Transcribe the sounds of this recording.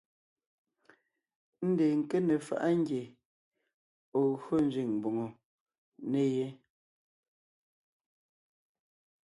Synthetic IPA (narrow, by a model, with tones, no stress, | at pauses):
n̩˦deː˨ŋ̩˨ke˦ne˨fa̰˨ʔa˦ŋ˦ɡje˨ | o˨ɣo˦n̩˦˨zɥi˨ŋbo˨ŋo˨ | ne˦je˦